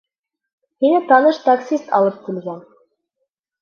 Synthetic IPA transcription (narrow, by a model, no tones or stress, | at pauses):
hinɘt̪ɑnɤʃt̪aksʲist̪ɑ̰lˠɤp̚k̪ĭlɡæn